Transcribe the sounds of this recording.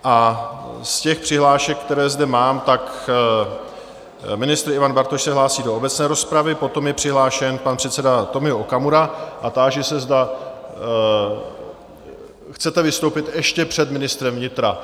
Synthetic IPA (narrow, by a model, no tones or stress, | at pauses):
ʔa | scɛxpr̝̥ɪɦlaːʃɛk̚ːt̪ɛɾɛːzdɛmaːmt̪ak | mɪnɪst̪ɾɪvanbaɾt̪oʃsɛɦlaːsiːdo̞obɛtt͡snɛːɾo̞spɾavɪpo̞t̪o̞mjɛpr̝̥ɪɦlaːʃɛnpanpr̥ɛt̪sɛdat̪o̞mɪoʔokamuɾaʔat̪aːʒɛsɛzda | xt͡sɛt̪ɛvɪst̪o̞wpɪt̪ɛʃcɛpr̝̥ɛd̪mɪnɪst̪ɾɛmvɲɪt̪ɾa